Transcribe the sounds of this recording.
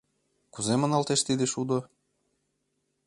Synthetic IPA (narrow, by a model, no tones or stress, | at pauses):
kuzemə̆nɑlt̪eʃt̪id̪eʃud̪o